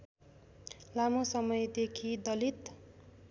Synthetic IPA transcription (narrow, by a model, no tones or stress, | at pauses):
lamosʌmʌjd̪ekʰid̪ʌlit̪